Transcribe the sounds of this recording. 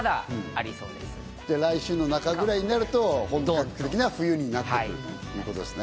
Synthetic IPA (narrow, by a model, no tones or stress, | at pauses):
d̪aaɾʲiso̰ːd̪e | d̪eɾaiɕɨːno̞nakaɡɯ̟ɾaiɲinaɾɯ̟t̪o̞hõŋt̪okakki̥t̪ek̬ʲinβaɸɯ̟jɯ̟ːɲ̟inat̪ao̰jɯ̟ːko̞t̪o̞d̪esɨ̥ne